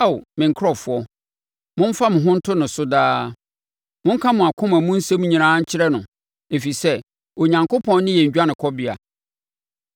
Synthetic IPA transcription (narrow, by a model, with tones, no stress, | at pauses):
a˦˨wmɪ̃˨ŋ̩˨kʰɾɔ˨fʊ˨˦ɔ˦ | mʊ̃˦m̩˦fa˦mʊ̃˨ɦʊ̃˦n̩˦tʰʊ˦nʊ̃˨sʊ˦daː˦ | mʊ̃˦ŋ̩˦kʰã˦mʊ̃˨a˨kʰʊ̃˦mæ̃˨mʊ̃˦n̩˦sɛ̃˦m̃˦ɲĩ˨nãː˦ɲ̩˦t͡ɕʰɪ˦ɾɛ˦nʊ̃˨ | e˨fi˨sɛ˦ | o˨ɲã˨ŋkʰo˦pʰɔ̃˦nː˦nɪ̃˦jɛ˨ɲ̩ᶣ˨˦a˦nɪ̃˨kʰɔ˦bɪ˦a̰˨